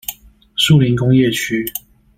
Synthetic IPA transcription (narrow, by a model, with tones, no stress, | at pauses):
su˥˨li˧˥nkʊ˥ŋjɛ˥˨t͡ɕʰy˥˦